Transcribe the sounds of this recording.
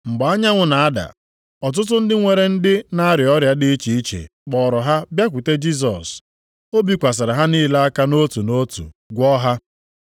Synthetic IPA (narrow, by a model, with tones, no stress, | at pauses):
ŋ͡m̩˨ɡ͡ba˨a˦ɲa˦ŋʷʊ˨na˨a˦da̰˨ | ɔ˨t̬ʊ˦t̬ʊ˦n̩˦dɪ˦ŋʷe˨ɾe˦n̩˦dɪ˦na˦ɾjɔ˦ɾja˦dɪ˦i˦t͡ʃi˨i˦t͡ʃḛ˨k͡pɔ˨ɾɔ˨ɦa˦bja˦k̬ʷu˨te˦d͡ʒi˦s̬ɔ̰˨s | o˦bi˦kʷa˨s̬a˨ɾa˨ɦa˦niː˦˨la˦a˦ka˦no˦tu˨no˦tṵ˨ɡʷɔ˦ɦa˦